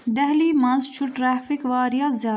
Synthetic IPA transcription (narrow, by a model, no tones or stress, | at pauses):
d̪ɐɦliːmɐ̃nst͡ʃʰuʈɾaːfikʋaːɾijɑːza